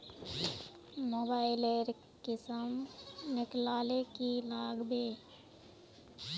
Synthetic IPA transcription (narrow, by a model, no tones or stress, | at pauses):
moːbaːɪleːɾ | kɪsəmnɪklaːlekilaːɡbeː